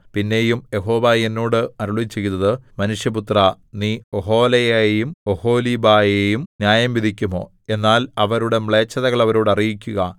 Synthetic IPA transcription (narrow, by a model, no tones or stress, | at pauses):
pinːe̞jumje̞ɦo̞ːʋajenːoːɽɨɐɾuɭit͡ɕːe̞junːɐðɨmɐnuʂjɐput̪rɐ | niːoɦo̞ːlɐjejejumoho̞ːliːbaːjejumnjaːjɐmʋid̪ʱikʲːumo̞̰ː | e̞nːaːlɐʋɐɾuɽe̞mɭe̞ːt͡ɕːɐðɐɣɐɭɐʋɐɾoːɽɐrijikʲːuɣɐ